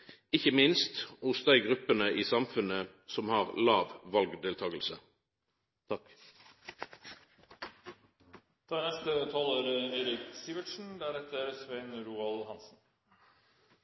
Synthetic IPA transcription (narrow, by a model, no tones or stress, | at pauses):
ɪçəmɪnst̪ʊsd̪æɪɡʁʉpənəʔiːsɑmfʉnə | sɔmhɑːʁlɑːʋʋɑlɡd̪eːlt̪ʰɑːɡəlsə | t̪ʰɑːnɛst̪ət̪ʰɑːləɾeɪɾɪksiːʋəʈʃn̩d̪æɾɛt̪əɾsʋeɪnɾuːɑlhɑnsn̩